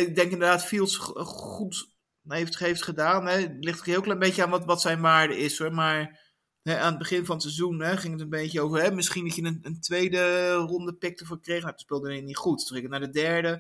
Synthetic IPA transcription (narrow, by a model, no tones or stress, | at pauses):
ɪɡ̚dɛŋkɪndəɹdaːtfilˠsχut | ɦeftɦejftχədaːnɛlɪχtɦɪːlˠklɛjmbejcəaːnʋtʋɑtsɛjnʋaːɹdəɪsɔɹmaːɹ | ɦɛaːnəd̚bəχɪnvɑnətsɛzunɦɛχɪŋətənbejcəowvərɦɛmɪsχinɑtjəəəntʋejdərɔndəpɪk̚təfəɹkrejχaəspɪːlˠdənɪnitχutrɪkənaːɹdədɛɹdə